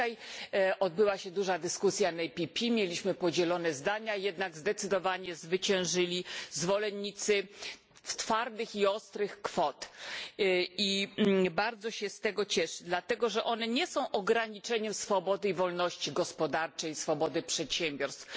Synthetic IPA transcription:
ajɔd̪̚bɘwaɕɛd̪uʐad̪ɘskusʲjanɛpʲipʲimʲjelʲiɕmɘpɔd͡ʑɛlɔnɛzd̪aɲajɛd̪naɡzd̪ɛt̪sɘd̪ɔvaɲɛzvɘt͡ɕɛ̃w̃ʐɘlʲizvɔlɛnːit̪sɘ | ft̪faɾd̪ɘxiɔst̪ɾɘxkfɔt̪ | ibaɾd̪zɔɕɛst̪ɛɡɔt͡ɕɛʂɘd̪lat̪ɛɡɔʐɛʔɔnɛɲɛsɔ̃w̃ʔɔɡɾaɲit͡ʂɛɲɛmsfɔbɔd̪ɘivɔlnɔɕt͡ɕiɡɔspɔd̪aɾt͡ʂɛjsfɔbɔd̪ɘpʂɛt̪ɕɛmbʲjɔɾst̪f

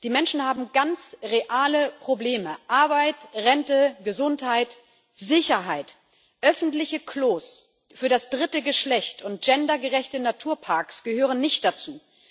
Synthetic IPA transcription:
d̥iːmɛnʃn̩haːbm̩ɡant͡sʁeʔaːləpʁ̥obleːməʔaɐbaɪtʁɛntəɡəzʊnthaɪt | zɪçɐɦaɪt | ʔœfn̩tlɪçəkʰloːs | fyːɐɾasd̥ʁɪtəɡəʃlɛçtʊnt̚d͡ʒ̥ɛndɐɡəʁɛçtənatʰuːɐpʰaɐksɡ̥əhøːʁənnɪçt̚d̥at͡suː

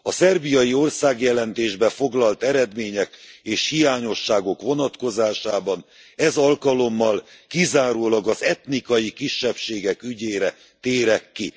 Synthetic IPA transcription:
ɒsɛrbijɒjio̞rsaːɡjɛlɛnt̪eːʒbɛfo̞ɡlɒlt̪ɛɾɛd̪meːɲɛkeːʃhijaːɲo̞ʃːaːɡo̞kʋo̞nɒt̪ko̞zaːʃaːbɒn | ɛzɒlkɒlo̞mːɒlkizaːɾoːlɒɡɒzɛt̪nikɒjikiʃːɛpʃeːɡɛkyɟeːɾɛ | t̪eːɾɛkːi

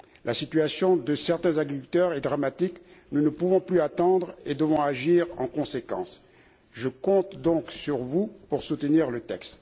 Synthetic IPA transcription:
lʔasit̪ɥasjɔ̃d̪əsɛʁt̪ɛ̃zaɡʁikylt̪œʁɛd̪ʁamat̪iknunəpuvɔ̃plyat̪ɑ̃d̪ʁed̪əvɔ̃aʒiʁɑ̃kɔ̃sekɑ̰̃s | ʒəkɔ̃t̪d̪ɔ̃ksyʁvupuʁsut̪əniʁlət̪ɛkst̪

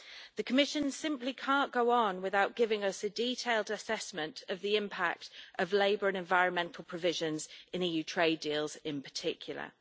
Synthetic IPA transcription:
ðəkʰəmɪʃə̃nsɪ̃mplikʰɑ̃ˑnɡ̥əʊə̃nwɪðaʊʔɡ̥ɪvɪ̃ŋʌsədiːˑtʰeɪlˠdəsɛsmə̃ntʰəvðiɪ̃mpʰa̰k̚tʔəvleɪbəɹə̃nɛ̃ɱvaɪɹə̃nmɛ̃ntʰˡl̩ˠpʰɹ̥əvɪʒə̃nzʔɪ̃niːjʉːtʰɹ̥eɪdiːlˠz̥ɪ̃npʰə̥tʰɪkʰjəl̩ˠə̰

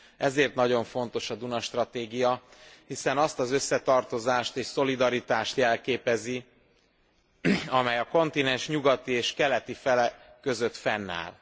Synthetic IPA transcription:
ʔɛzeːrt̪nɒɟo̞ɱfo̞n̪t̪o̞ʃɒd̪unɒʃt̪rɒt̪eːɡijɒhisɛnɒst̪ɒzø̞sːɛt̪ɒrt̪o̞zaːʃt̪eːʃso̞lid̪ɒɾit̪aːʃt̪jɛlkeːpɛzi | ɒmɛjɒko̞nt̪inɛnʃɲuɡɒt̪ieːʃkɛlɛt̪ifɛlɛkø̞zø̞t̪fɛnːa̰ːl

